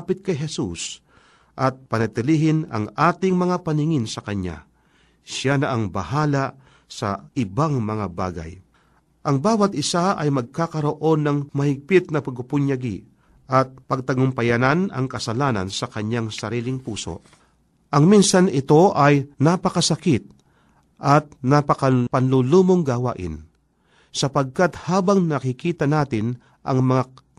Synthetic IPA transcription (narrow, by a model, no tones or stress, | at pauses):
pɪt̪̚kɐjɦɛsṵs | ʔɐt̪̚pɐnɐt̪ɪliːɦɪnɐ̰ŋʔaːt̪ɪŋmɐŋapɐnɪŋɪnsɐkɐɲa̰ | ʃjanɐʔaŋbɐ̰haːla | sɐ̰ʔɪbaŋmɐŋaba̰ːɡɐ̰j | ʔɐŋbaːwɐt̪ɪsaʔɐjmɐɡ̚kakɐɾo̞ʔo̞nːɐŋmɐhɪɡ̚pɪt̪̚nɐpɐɡʊpʊɲjɐɡḭ | ʔɐt̪̚pɐɡ̚t̪ɐɡʊmpɐjananɐ̰ŋkɐsɐlaːnɐ̰nsɐkɐɲaŋsɐɾiːlɪŋpuːso̞̰ʔ | ʔɐŋminsanɪt̪o̞ʔɐjnapɐkɐsɐkɪt̪̚ | ʔɐt̪̚nɐpɐkɐpɐnluluːmoŋɡawa̰ːʔɪ̰n | sɐpɐɡ̚kat̪haːbɐŋnɐkɪkiːt̪ɐnaːt̪ɪn | ʔɐ̰ŋmɐŋa